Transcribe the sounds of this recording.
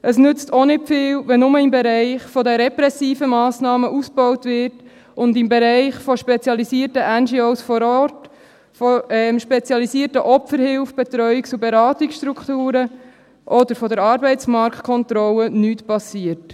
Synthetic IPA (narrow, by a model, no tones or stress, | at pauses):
ʔəsnʏt͡st̪onɪtfɪːlʋɛnʊməɪmbɛɾɛɪχfɔdəɾɛpɾɛsiːfəmɑːsnɑːməʔus̚b̥ɔwtʋɪt | ʊndɪmbɛɾɛɪχfɔʃpɛt͡sjɑlisiəɾtəʔænd͡ʒioʊsfɔɾɔt | foɛmʃpɛt͡sjɑlisiəɾtəʔɔpəɾhɪlfb̥ɛt̪ɾœʏikt͡subɛɾɑːtiksʃtɾukχtuːɾə | ʔɔdəɾfɔdəɾɑɾbɛɪtt͡smɑɾkʰtkʰɔnt̪ɾɔlənyːtpɑsiət